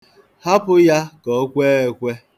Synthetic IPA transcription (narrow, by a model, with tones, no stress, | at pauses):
ha˦pʊ˦ja˦kɔ˨˦kʷeː˦e˨kʷe˦